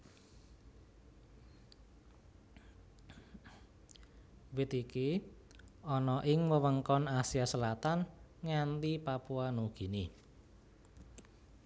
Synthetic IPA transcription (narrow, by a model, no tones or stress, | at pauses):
wɪt̪iki | ʔɔnɔʔɪŋwəwəŋkɔnasiasəlat̪anŋant̪ipapuanuɡ̥i̤ni